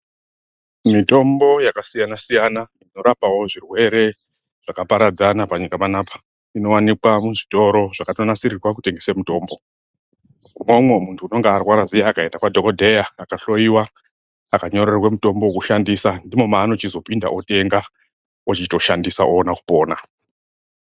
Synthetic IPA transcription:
mito̞mbo̞jakasijanasijanaino̞ɾapawo̞ʐirwe̞ɾe̞ | ʐ̥akapaɾad͡zanapaɲikapanaːpḁ | ino̞wanikwamuʐito̞ɾo̞ʐ̥akatonasiɾirwakute̞ŋɡesemuto̞ːmbo̞ | mwomwe̞muntʰuːno̞ŋɡearwaɾaʐijaːkae̞ndakwadʱo̞kodʱe̞jaːkaɬo̞jiwa | akaɲo̞rerwemuto̞mbokuʃandisandimo̞maːno̞t͡ʃizo̞pinda̰ʔote̞ŋɡa | ot͡ʃito̞ʃandisaʔonaku̥po̞ːna

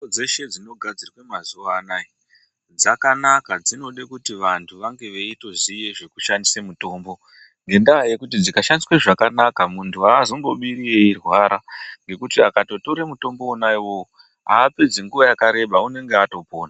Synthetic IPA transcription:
od͡zeʃe̞d͡zino̞ɡʱad͡zirwemazuʋaːnai | d͡zakanakad͡zino̞ɗekutiʋantʰuʋaŋɡe̞ʋeito̞zije̞ʐe̞ku̥ʃandisemuto̞ːmbo̞ | ŋɡe̞ndajekutid͡zikaʃandisweʐakanakamuntʰuaːzombo̞ɓiɾieirwaɾaŋɡe̞kutiakato̞to̞ɾemuto̞mbo̞ːnaiwo̞o | aːped͡zeŋɡuʋajakaɾe̞ɓaune̞ŋɡe̞ato̞po̞ːna

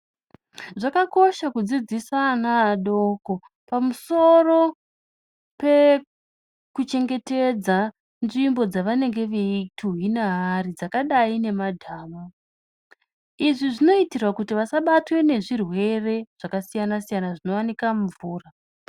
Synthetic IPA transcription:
ʐakako̞ʃakud͡zid͡zisanaːɗoko̞ | pamuso̞ro̞ | pe̞ | kut͡ʃe̞ŋɡe̞te̞d͡za | nʐimbo̞d͡zaʋane̞ŋɡe̞ʋeitʰuɦinaɦarid͡zakaɗaine̞madʱaːma | iʐiʐino̞itirwakutiʋasaɓatwe̞ne̞ʐirwe̞re̞ʐ̥akasijanasijanaʐino̞wanikamuvuːra

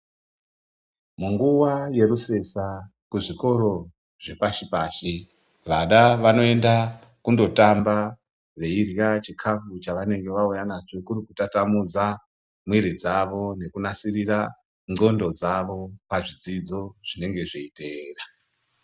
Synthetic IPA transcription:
muŋɡuwaje̞ɾuse̞sakuʐiko̞ɾo̞ | ʐ̥e̞paʃipaːʃi | ʋaɗaʋano̞e̞nda | kundo̞tamba | ʋe̞irjat͡ʃikʰafut͡ʃaʋane̞ŋɡe̞ʋaujanat͡ʃo̞kuɾikutatamud͡za | mwiɾid͡zaʋo̞ne̞kunasirira | ŋo̞ndo̞d͡zaʋo̞paʐid͡zid͡zo̞ʐ̥ine̞ŋɡe̞ʐeite̞ːra

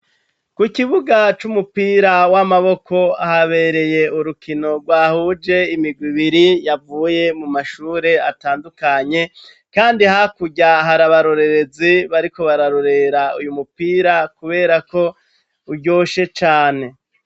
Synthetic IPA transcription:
kukiβuɡat͡ʃumupiːɾawamaβo̞kʰo̞ahaβe̞ɾe̞je̞uɾukʰino̞ɡwaːhud͡ʒe̞imiɡwiβiɾijavuːje̞mumaʃuːɾe̞ataːndukaɲe̞ | kaːndihakuɟaɦaɾaβaɾo̞ɾe̞ɾe̞ziβaɾiko̞βaɾaɾo̞ɾe̞ɾaujumupiːɾakuβe̞ːɾako̞ | uɟo̞ːʃe̞t͡ʃaːne̞

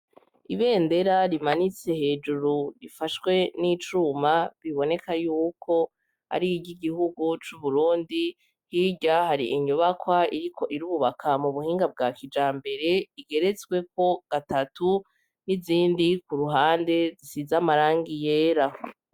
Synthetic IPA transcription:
iβe̞ːnde̞ɾaɾimanit͡se̞he̞ːd͡ʒuɾuɾifaʃwe̞nit͡ʃumaβiβo̞ne̞kajuːkʰo̞ | a̰ɾiiɟiɡihuɡut͡ʃuβuɾuːndi | hiːɟaɦaɾiʔiɲuβakwaiɾikʰo̞ʔiɾuβuβakʰamuβuhiːŋɡab̚ɡaːkid͡ʒaːmbe̞ɾe̞iɡe̞ɾe̞t͡sɡwe̞ko̞ɡ̥atatu | niziːndikuɾuɦaːnde̞zisizamaɾaːŋɡije̞ːɾa

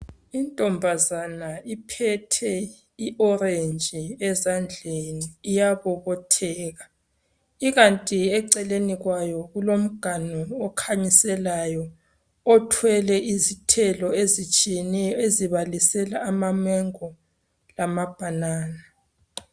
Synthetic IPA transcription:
intʼɔmbʱazanaipʰɛtʰɛ | iʔɔɾend͡ʒʱʼiɛzand͡ɮʱeniːjaβɔβɔtʰɛːɣa | iɣantʼiɛǀɛleniɣwajɔɣulom̩ɡ̥ʱanɔːkʰaɲisɛlajɔ | ɔtʰwɛlɛʔizitʰɛlɔezit͡ʃʼijɛnɛjeziβalisɛlaːmamɛŋɔ | lamab̥ʱanaːna

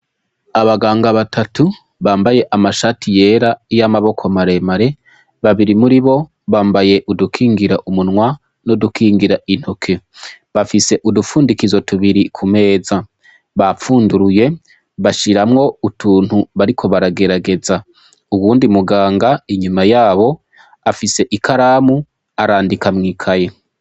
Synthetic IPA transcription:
aβaɡaːŋɡaβatʰatʰu | βaːmbaje̞ʔamaʃaːtʰije̞ːɾaijamaβo̞kʰomaɾe̞maɾe̞ | βaβiɾimuɾiβo̞ | βaːmbaje̞ʔudukʰiːŋɡiɾaʔumunŋwa | nodukʰiːŋɡiɾaʔin̥hokʰe̞ | βafise̞ʔudufuːndikizo̞tuβiɾikʰume̞ːza | βafuːnduɾuje̞ | βaʃiɾamŋo̞utuːn̥huβaɾikʰo̞βaɾaɡe̞ɾaɡe̞za | uwuːndimuɡaːŋɡaiɲumajaːβo̞ | afise̞ʔikaɾaːmu | aɾaːndikamŋiːkʰaje

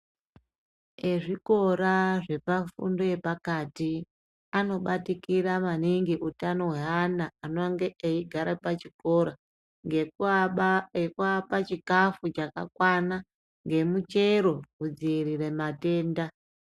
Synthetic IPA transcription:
eʐiko̞ɾaʐe̞pafṵndo̞je̞pakati | ano̞ɓatikiɾamaniŋɡiʔutano̞ɦwe̞anaːnoŋɡeʔeiɡʱaɾapat͡ʃiko̞ɾa | ŋɡe | ekuapat͡ʃikafut͡ʃaka̰kwana | ŋɡe̞mut͡ʃe̞ɾo̞kud͡ziiriɾe̞mate̞ːnda

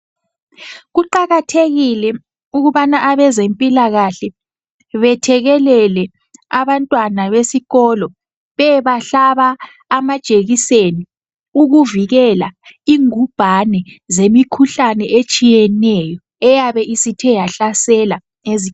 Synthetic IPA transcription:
ɣuǃaɣatʰeɣilɛ | uɣuβanaʔaβɛzempʼilaɣaɬɛ | βɛtʰɛɣɛlɛlɛ | aβantʼwanaβesiɣɔːlɔ | βɛβaɬaβaː | mad̥ʒ̥ʼʱeɣiseni | uɣuviɣɛlaiŋub̥ʱanɛzemikʰuɬanɛʔet͡ʃʼijɛnɛjɔ | ɛjaβɛʔisitʰɛjaɬasɛla | ezi

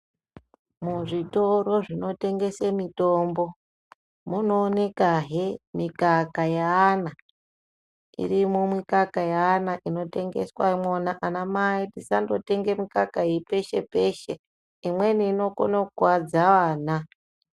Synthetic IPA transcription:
muʐito̞ɾo̞ʐino̞te̞ŋɡe̞semito̞ːmbo̞ | muno̞ːne̞kaɦemikakajaːna | ḭrimumwikakajaːnaʔino̞te̞ŋɡe̞̰swamonaʔanamaitisando̞te̞ŋɡemikakaipe̞ʃe̞pe̞ʃe | imwe̞niːno̞ko̰nowad͡zaʋaːna

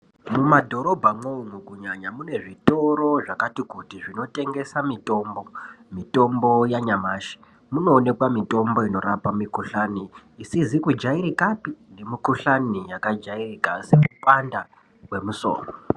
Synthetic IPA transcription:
mumadʱo̞ɾo̞bʱamouŋukuɲaɲamune̞ʐito̞ɾo̞ʐakatikutiʐino̞te̞ŋɡe̞samito̞ːmbo̞mito̞mbo̞jaɲamaːʃi̥ | muno̞ːne̞kwamito̞mbo̞ino̞ɾapamikuɬaniːsizikud͡ʒaiɾikapinemikuɬanijakad͡ʒairikasekupanda | kwe̞muso̰ːro

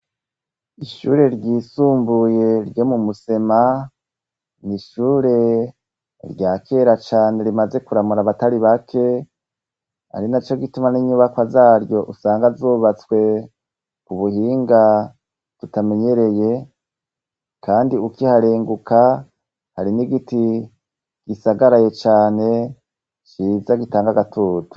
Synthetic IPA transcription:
iʃṵːɾe̞ɾɟiːsuːmbuje̞ɾɟo̞ːmumuse̞ma | niʃuːɾe̞ | ɾɟaːkʰe̞ːɾat͡ʃaːne̞ɾimaze̞kuɾamuɾaβataɾiβakʰe̞ | a̰ɾinat͡ʃoɡitumaniɲuβakwazaːɾjo̞ʔusaːŋɡazuːβat͡swe̞ | kuβuhiːŋɡa | tutame̞ɲe̞ɾe̞je̞ | kaːndiukihaɾeːŋɡuka | haɾiniɡiti | ɡ̥isaɡaɾaje̞t͡ʃaːne̞ | t͡ʃivaɡitaːŋɡaɡatʰuːtu̥

